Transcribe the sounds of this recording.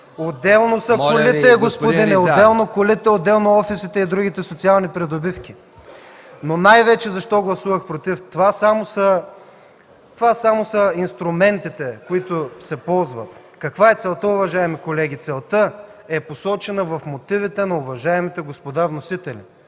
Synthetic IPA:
od̪ɛlˠnosəkolit̪ɛɛɡospod̪inɛod̪ɛlˠnokolit̪ɛod̪ːɛlˠnoɔfisit̪ɛid̪ɾuɡ̟it̪ɛsot̪sialˠnipɾɛd̪obifkʲi | nonajvɛt͡ʃɛzɐʃt̪ɔɡlˠɐsuvəxpɾot̪ift̪ovasamosə | t̪ovasamosəinst̪ɾʊmɛnt̪it̪ɛkoit̪ʊsɛpɔlˠzvɐ̰t̪ | kɐkvaɛt̪sɛlˠt̪əʊvɐʒaɛmikolɛɡʲit̪sɛlˠt̪əɛposɔt͡ʃɛnɐvɐfmot̪ivit̪ɛnɐʊvɐʒaɛmit̪ɛɡospod̪avnosit̪ɛlḭ

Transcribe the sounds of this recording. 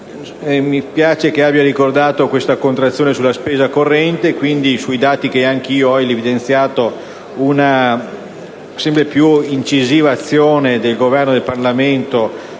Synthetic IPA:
ɛmipjaːt͡ʃek̟eabːjaɾikord̪aːt̪okwest̪akont̪ɾat̪sːjoːnesulːaspeːzakorːɛnt̪ekwind̪isuid̪aːt̪ik̟eaŋk̟eiːoɔjlevid̪ent̪sjaːt̪o | una | sɛmpɾepjuint͡ʃiziːvaːt̪sːjoːned̪elɡovɛrnod̪elparlament̪o

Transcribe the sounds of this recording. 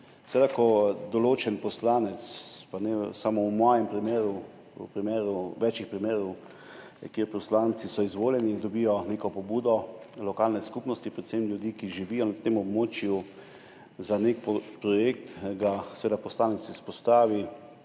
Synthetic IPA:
sɛʋed̪akɔd̪ɔloːt͡ʃɛnpɔslaːnɛt̪spanɛsamowmɔːjɛmpɾimeːɾu | pɾimeːɾuʋɛt͡ʃixpɾimeːɾɔw | kjeɾpɔslaːnt̪sisɔizʋoːljɛnid̪ɔbijɔneːkɔpɔbuːd̪ɔ | lɔkaːlnɛskupnɔst̪ipɾɛt̪semlʲjud̪iːkiʒiʋiːjɔnat̪emɔbmoːt͡ʃju | zanek̚ppɾɔjek̚t̪ɡasɛʋeːd̪apɔslaːnɛt̪sispɔst̪aːʋi

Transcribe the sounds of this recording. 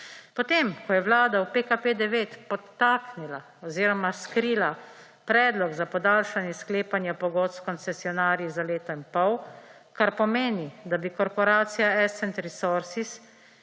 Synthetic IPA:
pɔt̪eːmkɔjɛʋwlaːd̪awpekapeːd̪ɛʋeːt̪pɔt̪ːaːknila | ɔziːɾɔmaskɾiːla | pɾɛːd̪lɔɡzapɔd̪aːlʃanjɛskleːpanjɛpɔɡoːt̪skɔnsɛsiɔnaːɾjizaleːt̪ɔimpɔw | kaɾpɔmeːnid̪abikɔɾpɔɾaːt̪sijaɛsɛnt̪ɾisoɾsis

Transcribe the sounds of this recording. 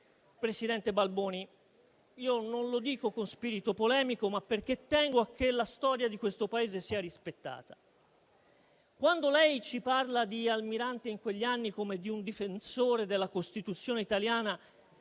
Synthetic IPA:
pɾesid̪ɛnt̪ebalboːni | iːononlod̪iːkokonspiɾit̪opolɛːmikomapːerk̟et̪ːɛŋɡoak̟ːelast̪ɔːɾjad̪ikwest̪opaeːzesiːaɾispet̪ːa̰ːt̪ḁ | kwand̪olɛjt͡ʃiparlad̪ialmiɾant̪eiŋkweʎːianːikomed̪iund̪ifensoːɾed̪elːakost̪it̪ut̪sːjoːneit̪aljaːna

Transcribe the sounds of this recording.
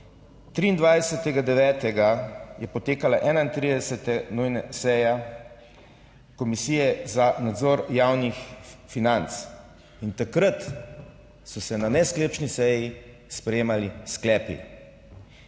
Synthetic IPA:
t̪ɾiːnd̪ʋajsɛt̪ɛɡad̪ɛʋɛːt̪ɛɡajɛpɔt̪eːkalaʔɛːnaint̪ɾiːd̪ɛsɛt̪ɛnujnasɛja | kɔmisiːjɛzanad̪zɔːɾjawnixfinant̪s | int̪akɾət̪ | sɔsɛnanɛskleːpt͡ʃnisɛji | spɾɛjeːmalisklɛːpḭ

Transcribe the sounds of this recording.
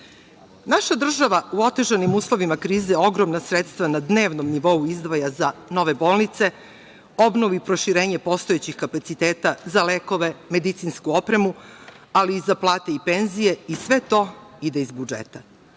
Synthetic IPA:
naʃad̪r̩ʒaʋauo̞t̪e̞ʒanimuːslˠo̞ʋimakɾiːzeo̞ɡɾo̞mnasɾet̪st̪ʋanad̪ne̞ːʋnomniʋo̞uizd̪ʋajazano̞ʋe̞bo̞ːlˠnit̪se̞ | o̞bno̞ʋipɾo̞ʃiɾe̞ːɲe̞po̞st̪oet͡ɕixkapat̪sit̪eːt̪azale̞ko̞ʋe̞me̞d̪it̪sinskuopɾe̞mu | aliːzaplˠaːt̪e̞ipe̞nzije̞isʋe̞t̪o̞id̪e̞izbud͡ʒḛt̪a

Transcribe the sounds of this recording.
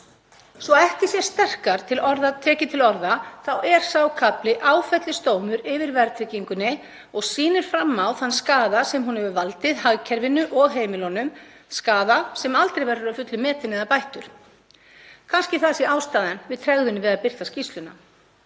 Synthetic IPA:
svɔɛht̪ɪ̥sjɛ̥st̪ɛr̥kaɾ̥t̪ʰɪlɔɾðat̪ʰɛːcɪt̪ʰɪlɔɾðaθawɛɾ̥sawkʰaplɪʔaːwfɛt̪lɪst̪oːwmʏɾɪvɪɾvɛɾt̪ʰɾɪciŋkʏnːɪ | ɔɣsiːnɪɾ̥fɾamːawθanskaːðasɛmɦunhɛvʏvalt̪ɪðhaɣcʰɛɾvɪnʏʔɔɣɦeːjmɪlɔnʏm | skaːðasɛmalt̪ɾejvɛɾʏɾafʏt̪lʏmɛːt̪ɪnɛðapajht̪ʏɾ̥ | kʰanscɪθaðsjɛaːwst̪aːðɛnvɪðt̪ʰɾɛɣðʏnːɪvɪðaðpɪr̥t̪ascist̪lʏna̰

